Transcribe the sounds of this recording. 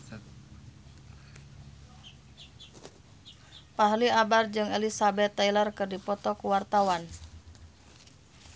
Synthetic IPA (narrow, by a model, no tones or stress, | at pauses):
paɦliabard͡ʒɨŋɛlisabɛt̪ːailərkɨrdipɔt̪ɔkuwart̪awan